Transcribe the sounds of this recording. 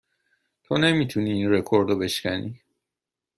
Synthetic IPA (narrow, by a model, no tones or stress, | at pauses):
t̪ʰone̞miːt̪ʰuniinre̞kʰoɾd̪obe̞ʃcʲænḭ